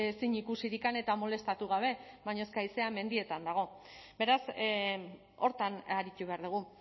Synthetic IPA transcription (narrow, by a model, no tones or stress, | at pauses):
esiɲikusiɾikane̞t̪amo̞le̞st̪at̪uɣ̞aβ̞e̞βajɲo̞skajse̞ame̞nd̪ie̞t̪and̪aɣ̞o̞ | be̞ɾas | o̞ɾt̪anaɾit̪uβ̞e̞aɾðuɣ̞u